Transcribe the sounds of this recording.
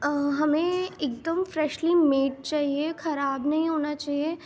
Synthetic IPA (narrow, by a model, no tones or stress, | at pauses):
ɦɐmẽeːk̚d̪əmfɾɛːʃlimeːʈ̚t͡ʃaːɦiexɐɾaːbnɐɦĩɦoːnat͡ʃaːɦie